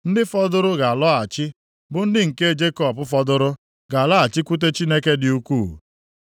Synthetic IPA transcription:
n̩˦dɪ˦fɔ˦dʊ˦ɾʊ˦ɡa˨a˨lɔ˦a˨t͡ʃɪ˦ | bʊ˨n̩˦dɪ˦ŋ̩˨ke˦e˦˨d͡ʒe˦kɔ˦˨pʊ˦fɔ˦dʊ˦ɾʊ˦ | ɡa˨a˨lɔ˦a˨t͡ʃɪ˦kʷu˦t̬e˦t͡ʃi˦ne˦ke˦dɪ˨u˦kuː˦˨

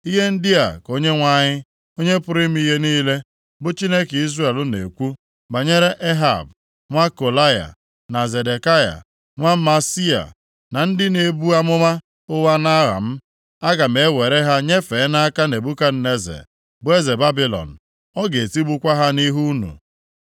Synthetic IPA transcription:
i˦ɦe˦n̩˦dɪ˦a̰˨ko˦ɲe˦ŋʷa˦ɲɪ˦ | o˦ɲe˦pʊ˦ɾɪ˦m̩˦i˦ɦe˦niː˦le˦ | bʊ˦t͡ʃi˦ne˦ki˦zɾe˦e˨lʊ˦nḛ˨kʷu˦ | ba˨ɲe˦ɾe˦ʔe˦ɦa̰˨b̚ | ŋʷa˦ko˨la˦ja̰˨ | na˨ze˨de˨ka˦ja̰˨ | ŋʷa˦ma˨si˦a̰˨ | na˨n̩˦dɪ˦ne˨bu˦a˦mʊ˦ma˦ | ʊ˦wa˦na˦ɾa̰˨m̩˦ | a˦ɡa˨m̩e˨˦we˨ɾe˦ɦa˦ɲe˦fe˨˦na˦a˦ka˦ne˨bu˦ka˦n̩˦ne˦zḛ˨ | bʊ˦e˦ze˨ba˦bi˨˦lɔ̰˨n̩˨ | ɔ˦ɡe˨ti˦bu˦kʷa˦ɦa˦ni˦ɦu˦nṵ˨

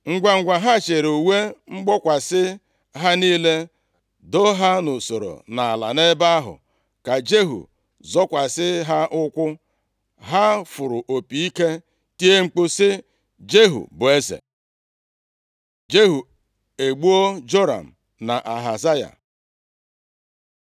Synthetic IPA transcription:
ŋ̩˦ɡʷa˨ŋ̩˦ɡʷa˨ɦa˦˨t͡ʃe˨ɾo˨we˦ŋ͡m̩˦ɡ͡bɔ˦kʷa˨sɪ˦ | ɦa˦niː˦le˦ | do˦ɦa˦no˨so˨ɾo̰˨na˨a˨la̰˨ne˦ba˦a˦ɦʊ̰˨ | ka˨d͡ʒe˦ɦṵ˨ | zɔ˦kʷa˨sɪ˦ɦa˦ʔʊ˦kʷʊ˦ | ɦa˦fʊ˨ɾʊ˨ʔo˨pi˨˦i˦ke˦ | ti˦e˦ŋ͡m̩˦k͡pʊ˦sɪ˦ | d͡ʒe˦ɦṵ˨bʊ˨e˦zḛ˨ | d͡ʒe˦ɦu˨ | e˨ɡ͡bu˦o˦d͡ʒo˦ɾa̰˨m̩˨ | na̰˨ʔa˨ɦa˨za˦ja̰˨

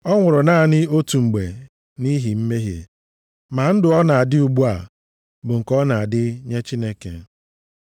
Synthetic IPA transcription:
ɔ˦ŋʷʊ˨ɾʊ˨na˦˨nɪ˦o˦tu˨ŋ͡m̩˨ɡ͡be˨ | ni˦ɦi˨m̩˦me˦ɦjḛ˨ | ma˨n̩˦dʊ˨ɔ˦na˨a˨dɪ˦u˨ɡ͡bu˦a̰˨ | bʊ˨ŋ̩˨kɔ˦na˨a˨dɪ˦ɲe˦t͡ʃi˦ne˦kḛ˨

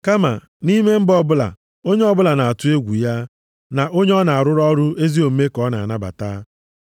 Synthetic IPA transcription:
ka˦ma̰˨ | ni˦me˦m̩˦bɔ˦bʊ˦la̰˨ | o˦ɲe˦ɔ˦bʊ˦la˨na˨a˨tʊ˦e˦ɡʷu˨ja˦ | na˨ʔo˦ɲe˦ɔ˦na˨a˨ɾʊ˦ɾɔ˦ɾʊ˦ʔe˦zi˦o˨m̩˦me˦kɔ˦na˨a˨na˦ba̰˨taː˦

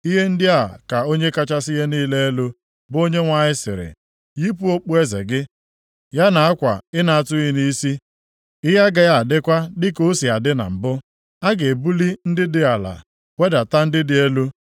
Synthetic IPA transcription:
i˦ɦe˦n̩˦dɪ˦a˨ka˨o˦ɲe˦ka˦t͡ʃa˦sɪ˦ɦe˦niː˦le˦e˦lo˦ | bʊ˦o˦ɲe˦ŋʷa˨ɲɪ˦sɪ̰˨ɾɪ̰˨ | ji˦pu˦o˦k͡pu˦e˦zḛ˨ɡɪ˦ | ja˦na˨a˦kʷa̰˨ɪ˦na˨a˨tʊ˦ɣi˦ni˦si˦ | ɪ˦ɦa˦ɡa˦ja˨a˨dɪ˦kʷa˦dɪ˦ko˦si˨a˨dɪ˦na̰˨m̩˨bʊ˦ | a˦ɡe˨bu˦li˦n̩˦dɪ˦dɪ˨a˨la̰˨ | we˦da˨ta˦n̩˦dɪ˦dɪ˦e˦lu˦

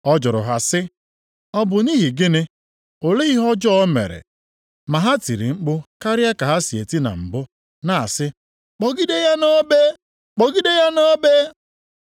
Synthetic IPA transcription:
ɔ˦d͡ʒɔ˨ɾʊ̰˨ɦa˨sɪ˦ | ɔ˦bʊ˨ni˦ɦi˨ɡɪ˦nɪ˦ | o˨le˦i˦ɦɔ˦d͡ʒɔ˦mḛ˨ɾḛ˨ | ma˨ɦa˦ti˨ɾi˨ŋ͡m̩˦k͡pʊ˦ka˦ɾja˦ka˨ɦa˦si˨e˨ti˦na̰˨ŋ͡m̩˨bʊ˦ | na˦˨a̰˨sɪ˦ | k͡pɔ˨ɡi˦de˦ja˦no˦be˦ | k͡pɔ˨ɡi˦de˦ja˦no˦be˦

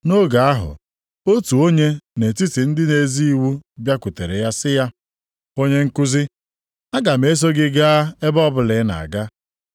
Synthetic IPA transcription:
no˦ɡa˨a˦ɦʊ̰˨ | o˦tu˨o˦ɲe˦ne˨ti˦ti˨n̩˦dɪ˦ne˨zi˦i˦wu˦bja˦ku˨te˨ɾe˨ja˦sɪ˦ja˦ | o˦ɲe˦ŋ̩˦ku˦zɪ˦ | a˦ɡa˨m̩e˦s̬o˦ɡɪ˦ɡa˦e˦bɔ˦bʊ˦˨lɪ˨˦na̰˨a̰˨ɡa˦

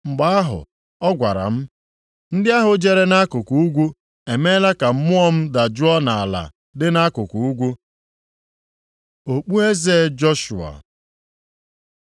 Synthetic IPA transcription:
ŋ͡m̩˨ɡ͡ba˦a˦ɦʊ̰˨ | ɔ˦ɡʷa̰˨ɾa̰˨m̩˦ | n̩˦dɪ˦a˦ɦʊ˨d͡ʒe˨ɾe˦na˦kʊ˨ku˨u˦ɡʷu˦ | e˨me˦la˦ka˨m̩˦mʊ˦ɔ˦m̩˦da˨d͡ʒʊ˦ɔ˦na˨a˨la̰˨ | dɪ˦na˦kʊ˨ku˨u˦ɡʷu˦ | o˨k͡pu˦e˦ze˦d͡ʒɔ˦ʃu˨a̰˨

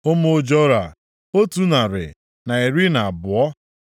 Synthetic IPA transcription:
o˦mo˦d͡ʒɔ˦ɾa˨ | o˦tu˦na˨ɾɪ̰˨ | na˨e˨ɾi˦na˨a˨bʊ˨ɔ˦

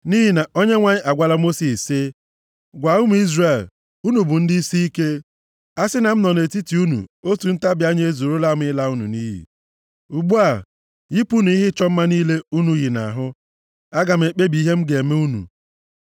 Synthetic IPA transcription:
ni˦ɦi˨na˨o˦ɲe˦ŋʷa˦ɲɪ˦ʔa˨ɡʷa˦la˦mo˦si˨sɪ˦ | ɡʷa˨ʊ˦m̩˨˦i˦zre˨l | u˦nu˨bʊ˨n̩˦dɪ˦i˦si˦i˦ke˦ | a˦sɪ˦na˨m̩˦nɔ˨ne˨ti˦ti˨u˦nṵ˨o˦tu˨n̩˦ta˦bja˦ɲe˦e˦zo˨ɾo˦la˦m̩˦ɪ˦la˦u˦nṵ˨niː˦ɦḭ˨ | u˨ɡ͡bu˦a˨ | ji˦pu˦nu˨i˦ɦɪ˦t͡ʃɔ˦m̩˦ma˦niː˦le˦u˦nu˨˦ji˨na̰˨ɦʊ˦ | a˦ɡa˨m̩˨e˨k͡pe˦bi˨˦ɦe˦m̩˦ɡe˨me˦u˦nṵ˨

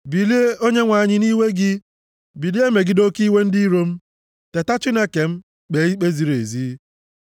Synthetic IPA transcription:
bi˨li˦e˦o˦ɲe˦ŋʷa˨ɲɪ˦ni˦we˦ɡɪ˦ | bi˨li˦e˦me˨ɡɪ˦do˦ki˦we˦n̩˦di˦ɾo˦m̩˦ | te˨ta˦t͡ʃɪ˦ne˦ke˨m̩˦ | k͡pe˨˦i˦k͡pe˦zi˨ɾḛ˨ziː˦

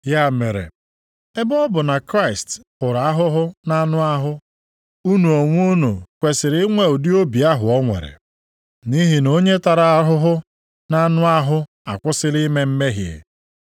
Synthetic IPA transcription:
ja˦˨me˨ɾḛ˨ | e˦bɔ˦bʊ˨na˨kɾa˦ɪ˨st | ʊ˨ɾa˨a˦ɦʊ˦ɦʊ˦na˦nʊ˦a˦ɦʊ˦ | u˦nu˨o˨ŋʷ˦u˦nu˨kʷe˨sɪ˨ɾɪ˦ŋʷe˦ʊ˨dɪ˦o˦bi˨a˦ɦʊ˨ɔ˦ŋʷḛ˨ɾḛ˨ | ni˦ɦi˨˦no˦ɲe˦ta˨ɾa˨a˦ɦʊ˦ɦʊ˦ | na˦nʊ˦a˦ɦʊ˦ | a̰˨kʷʊ˦sɪ˦li˦me˦m̩˦me˦ɦjḛ˨

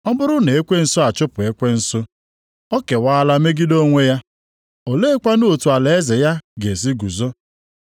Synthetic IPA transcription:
ɔ˦bʊ˦ɾʊ˦ne˨e˦kʷe˦n̩˨so˦a˨t͡ʃʊ˦pʊ˨e˦kʷe˦n̩˦so˦ | ɔ˦ke˨wa˦la˦me˦ɡɪ˦do˦ŋʷe˦ja˦ | o˨le˦e˦kʷa˦no˦o˨tu˨a˨le˨e˦ze˨ja˦ɡe˨s̬i˦ɡu˨zo˦

